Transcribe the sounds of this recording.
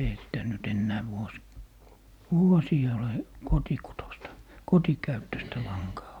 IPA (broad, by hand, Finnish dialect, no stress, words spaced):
eihæ sitæ nyt enːæː ʋuos ʋuosiː ole kotikutostɑ kotikæytːøstæ lɑŋkɑː